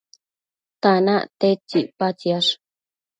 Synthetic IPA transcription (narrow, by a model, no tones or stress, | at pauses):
t̪anãʔt̪et͡ʃipat͡ʃiaʂ